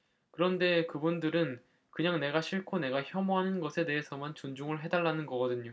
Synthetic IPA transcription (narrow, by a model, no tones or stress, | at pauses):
kɯɾʌnde̞kɯbundɯɾɯn | kɯɲaŋne̞ɡaɕʰiɭkʰone̞ɡaçjʌmoɦanɯnɡʌsʰe̞de̞ɦesʰʌmant͡ɕond͡ʑuŋɯɭɦe̞daɭːanɯnɡʌɡʌdɯɲo